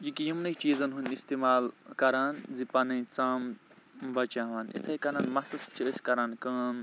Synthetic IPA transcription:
jikijimnɐjt͡ʃiːzɐnɦunʲist̪imaːlkɐɾaːnzipɐnɐjt͡saːm | bɐt͡ʃaːʋanḭt̪ʰɐjkɐɾaːnmɐsɐst͡ʃʰiəsʲkɐɾaːnkɐn

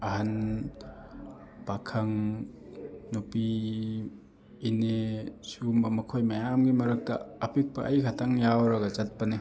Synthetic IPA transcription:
ɐɦɐn | pakʰɐŋ | nupi | nesumbɐmɐkʰojmɐjamɡimɐɾɐk̚tɐ̰ːpik̚pɐʔɐjkʰɐtʰaŋjawɾɐɡɐzɐt̚pɐni

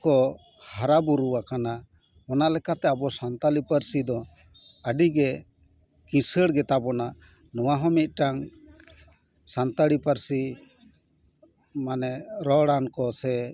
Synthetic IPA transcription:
kɔ | haɾabuɾuwakana | ɔnalɛkat̪ɛabɔsant̪alipəɾsid̪ɔ | əɖiɡɛ | kĩsəɽɡɛt̪abɔna | nɔwaɦɔmit̪̚ˀʈaŋ | sant̪aɽipəɾsi | manɛɾɔɽankɔsɛ

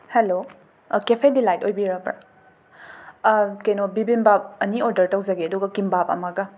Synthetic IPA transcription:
helo | kepʰedilajtojbiɾɐpɾa̰ | kejnobibinbap̚ɐnioɾdɐɾtɐwzɐɡeɐduɡɐkimbapɐ̰mɐɡɐ

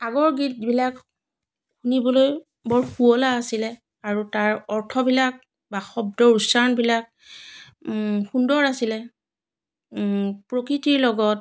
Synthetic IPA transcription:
aɡɔɹɡit̚bilak | xunibɔloj | bɔɹxuɔlaːsilɛ | aɹutaɹɔɹtʰɔbilak̚ | baxɔb̚dɔɹusanbilak̚ | xundɔɹasilɛ | pɹokɹitiɹlɔɡɔt̚

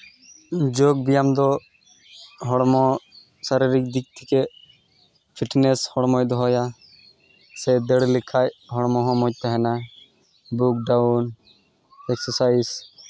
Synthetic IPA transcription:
d͡ʒoɡ̚bijamd̪ɔ | ɦɔɽmɔ | saɾiɾik̚d̪ik̚t̪ʰike | pʰiʈneshɔɽmɔjd̪ɔɦɔja | sɛd̪eɽlikʰajɦɔɽmɔɦɔmɔc̚t̪aɦɛna | buk̚ɖawn | ɛksɔsajs

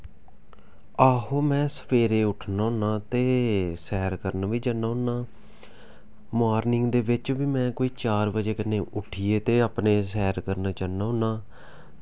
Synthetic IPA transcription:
aːɦoːmɛ̃ːsə̥pʰeːɾeːʊʈʰnaːʊ̃naːt̪eːsɛːɾkəɾnːʋiːd͡ʒanːaːɦʊ̃naː | maːɾnɪŋɡd̪eːʋɪt͡ʃʋiːmɛ̃ːkoːiːt͡ʃaːɾʋəd͡ʒeːkəneːʔʊʈʰiːeːt̪eːaːpneːsɛːɾkəɾnaːt͡ʃanaːʊ̃naː

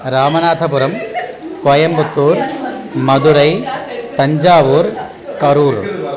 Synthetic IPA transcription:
ɾaːmɐnaːt̪ʰɐpʊɾɐm | kɐjɐmbʊt̪ːuːɾ | mɐðɯɾɐɪt̪ɐɲd͡ʒaːʋuːɾ | kɐɾuːɾ

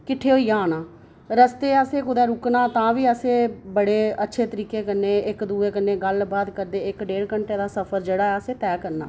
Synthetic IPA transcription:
kɪʈʰːeːɦoːiːãːnaː | ɾəst̪eːəseːkʊd̪ɛːɾʊknãːt̪ãːʋiːəseːbəɽeːətːʃʰeːt̪əɾiːkeːkənːeːɪkd̪uːeːkənːeːɡəlbaːt̪kəɾd̪eːɪkɖeːɽkəɳʈeːd̪aːsəpʰəɾd͡ʒeːɽaːɛːəseːt̪ɛːkəɾna̰ː

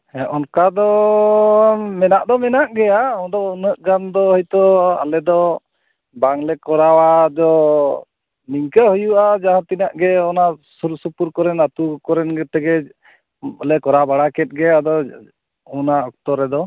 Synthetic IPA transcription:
ɛʔɔnkad̪ɔ | mɛnaʔd̪ɔmɛnaʔɡɛjaɔd̪ɔunəʔɡand̪ɔɦɔjt̪ɔa̰lɛd̪ɔ | baŋlɛkɔɾawad̪ɔ | niŋkəhujuʔad͡ʒaɦãt̪inaʔɡɛɔnasuɾusupuɾkɔɾɛnat̪ukɔɾɛnɡɛt̪ɛɡɛ | əlɛkɔɾabaɽakɛt̪̚ˀɡɛad̪ɔ | ɔnaɔk̚t̪ɔɾɛd̪ɔ

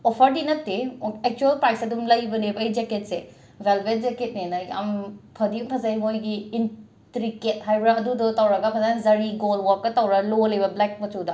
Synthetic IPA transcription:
ɔpʰɐɾdinɐtːeek̚t͡ʃuelpɾajsɐdumlɐjbɐnebɐɐjd͡ʒeket̚se | belbet̚d͡ʒeket̚nenaja̰mpʰɐdiumpʰɐzajmojɡiːn | tɾiket̚ɦajbɾaɐdudɔtɐwɾaɡɐpʰɐzajzɐɾiɡolwɔɾkːɐtawɾalolɐjbɐblɛk̚mɐtʰuwda

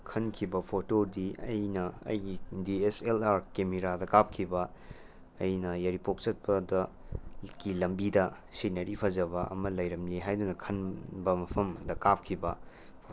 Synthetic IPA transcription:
kʰɐnkʰibɐpʰotoɾdiɐjnɐɐ̰jɡidieselaɾkemeɾadɐkap̚kʰibɐː | jnɐjɐɾipok̚t͡ʃɐt̚pɐdɐ | ɡilɐmbidɐ | sinɐɾipʰɐzɐbɐɐ̰mɐlɐjɾɐmliɦajdunɐkʰɐnbɐmɐpʰɐmdɐkap̚kʰibɐ

